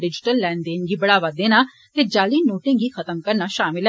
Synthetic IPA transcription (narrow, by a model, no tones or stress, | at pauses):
ɖɪd͡ʒɪʈəlːɛːnd̪eːnɡiːbɐɽaːʋaːd̪ːeːnaː | ked͡ʒaːliːnoːʈɪ̃ːɡiːxət̪əmkəɾnaːʃaːmɪlɦ